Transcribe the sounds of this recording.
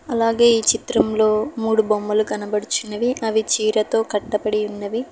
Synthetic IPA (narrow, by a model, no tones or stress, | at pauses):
ɐlaːɡe̞ːiːt͡ʃit̪ɾɐmlo̞ːmuːɽubomːɐluɡɐnɐbɐɽut͡ʃunːɐʋiʔɐʋit͡ʃiːɾɐt̪o̞ːkɐʈːɐpɐɽiunːɐʋi